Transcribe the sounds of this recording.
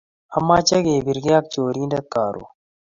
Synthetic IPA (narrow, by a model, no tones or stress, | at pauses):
ɐmaːt͡ɕɐɡeːbiɾɡijaːk̚t͡ɕoːɾiːnd̪ɐt̪̚kaːɾo̰ː